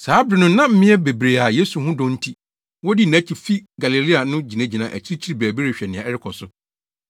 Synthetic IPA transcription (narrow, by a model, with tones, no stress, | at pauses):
saː˨˦bɾɪ˨nʊ̃˦nã˦m̩˦mɪ̃˦ɛ˦be˨bɾe˨a˨je˦su˨ɦʊ̃˦dɔ̃˦n̩˦tʰi˦ | wɔ˦di˦næ̃˦t͡ɕʰi˨fi˦ɡa˨li˨li˦a˨nʊ̃˦d͡ʑi˨nẽ˦d͡ʑi˨nã˨ʔæ̰˨t͡ɕʰi˦ɾi˦t͡ɕʰi˦ɾi˦bæ˨bi˦ɾe˨ɕᶣɛ˨nɪ̃˨ã˨ɛ˦ɾɪ˦kʰɔ˨sʊ˨